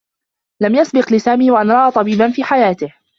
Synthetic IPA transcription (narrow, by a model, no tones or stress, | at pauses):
lamjasbɪqlɪsaːmiːwaʔanɾˤɑʔaːt̪ˤɑbiːbanfiːħajaːt̪ɪh